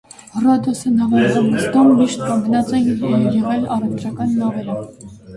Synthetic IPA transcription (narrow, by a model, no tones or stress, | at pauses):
rɔd̪ɔsənɑvɑɾʁɑmːəst̪ɔmːiʃt̪̚kɑmɡənɑt͡sɛnɛjɛʁɛlɑrɛvt̪t͡ʃʰɑkɑnːɑvɛɾɔm